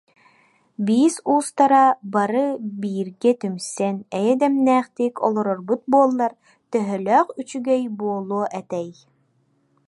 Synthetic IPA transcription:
biːsuːst̪aɾabaɾɯbiːɾɡɛt̪ymsɛnɛjɛd̪ɛmnæːχt̪iːkɔ̰lˠɔɾɔɾbut̪̚buɔlˠːaɾ | t̪œɦœlœːχyt͡ʃyɡɛjbuɔlˠuɔʔɛt̪ɛj

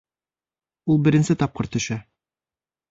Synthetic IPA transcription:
ulˠbɘ̆ɾɘ̆nsɘt̪ɑp̚qɤ̆ɾt̪ɵ̆ʃæ

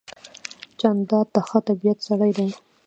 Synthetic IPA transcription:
t͡ʃand̪ɑd̪̚t̪axət̪abijat̪saɽajd̪aj

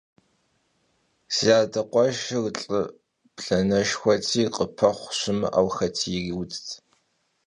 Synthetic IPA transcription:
z̥iaːdɐqʷɔʒɨrɬʼɨ | pɬɐnɐʃxʷɔtʰiːqʼəpʰɐχʷɕɪmɨ̰ʔa̰wxɐtʰiːriwt͡stʰ

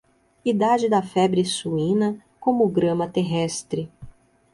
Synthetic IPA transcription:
id̪ad͡ʒɪd̪ɐfɛbɾɪsuĩnɐkõmʊɡɾɐ̃mɐt̪eɦɛst̪ɾɪ

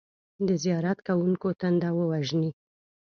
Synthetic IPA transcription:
d̪əzijɑɾat̪kawuŋkot̪and̪awəwaʒni

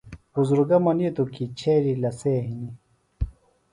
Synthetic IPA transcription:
buzuɾɡɐmɐnit̪ukit͡ɕʰeːɾilɐseːɦini

